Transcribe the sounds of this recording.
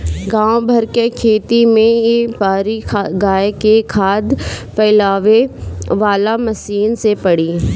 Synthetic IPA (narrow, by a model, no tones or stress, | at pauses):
ɡãːobʱɐɾkekʰeːt̪imẽebaːɾikʰɡaːjekekʰaːd̪pɛːlaːʋeʋaːlamɐsiːnsepɐɽiː